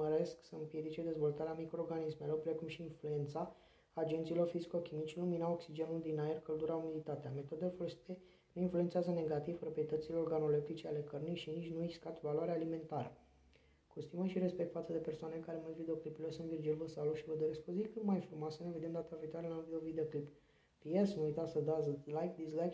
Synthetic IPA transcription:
əɾe̞sksəɨmpje̞d̪it͡ʃed̪e̞zvo̞lt̪aɾeamikɾorɡanisme̞lo̞rpɾe̞kumʃiːnflue̞nt̪saː | d͡ʒe̞nt̪silo̞rfiziko̞kʲimit͡ʃluminaoksid͡ʒe̞nuld̪inaerkəld̪uɾaumilit̪at̪eame̞t̪o̞d̪elefolosi̥t̪e | nuinfluent̪seazəne̞ɡat̪iv̥pɾo̞pɾije̞t̪ət̪sileorɡano̞lep̚t̪it͡ʃeale̞kərnijʃinit͡ʃʲnueɡskat̪valwaɾeaːlime̞nt̪aɾə̰ | kust̪iməʃiɾe̞spe̞k̚t̪fat̪səd̪e̞pe̞rsoanekaɾeməd̪vid̪eo̞klipulesunt̪vird͡ʒielvəsaloʃivəd̪oɾesko̞zikɨt̪majfɾumoasəne̞vid̪emd̪at̪aviit̪oaɾelavid̪eovid̪eoklip | p̪iesnuujt̪asəd̪azlajk̚d̪islajk

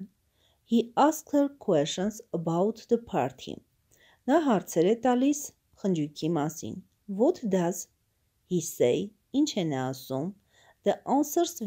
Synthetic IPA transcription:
hiɑskʰəɾkʰwɛʃənsəbɑut̪ʰd̪əpʰɑ̰ɾt̪ʰḭm | nɑɦɑɾt͡sʰɛɾɛt̪ɑlis | χənd͡ʒujkʰimɑsḭn | vɔt̪ʰd̪ɑz | hisɛj | int͡ʃʰɛnɛːsum | d̪̥əʔɑnsəɾs

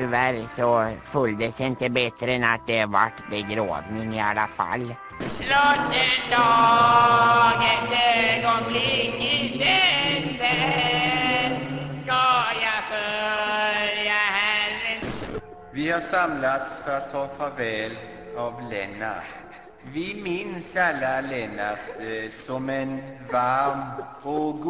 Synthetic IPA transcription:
t̪ʏvæɾsɔfɵld̪əsɪnt̪əbɛt̪ɾəɛnat̪̚d̪ɛva̰ʈːbəɡɾo̰ːvnɪŋɪalːafa̰lː | lɔt̪əd̪ɑː | ɡənd̪eɡɔmlɪŋɪd̪əsɛ | skɑjafœ | ljahæɾ | vɪhaʂamlat̪sfœɾat̪ʰːɑːfavɛːl | avlɛnːa̰ | vɪmɪnsalːalɛnːat̪sɔmɛnvaɾm | ɔɡ

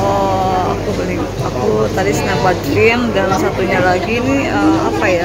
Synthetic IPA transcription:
ɔa̰kubəlɪŋ | akut̪adisənaŋbadlɪmdansat̪uɲalaɡinihəmapaja

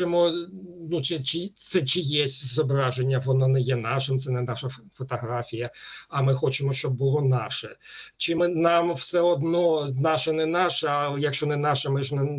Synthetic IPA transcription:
emɔnut͡ʃɪt͡ʃɪt̪sɛt͡ʃɪjɛsʲtʲzɔbɾɑʒenʲːɐʋɔnanɛjɛnɑʃɪmt̪sɛnɛnɑʃɐfɔt̪ɔɦɾafʲijɐɐmɪxɔt͡ʃɪmɔʃt͡ʃɔb̚ːʊlˠɔnɑʃɛt͡ʃɪmɪnɑmwsɛɔd̪nɔnɑʃɐnɛnɑʃɐjɐkʃt͡ʃɔnɛnɑʃɐmɪʒnɛ

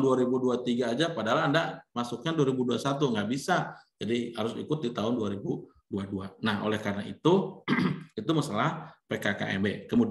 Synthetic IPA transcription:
nduaɾibuduat̪iɡaːd͡ʒapadaɦalandamasuk̚ɲaduaɾibuduasat̪uŋɡaʔbisad͡ʒadihaɾʊsḭkʊt̪̚dit̪aɦʊnduaɾibu | duaduanahʔo̰lɛhkaɾənaḭt̪u | it̪umasalahpekaka̰ʔɛ̰bɛkəmud

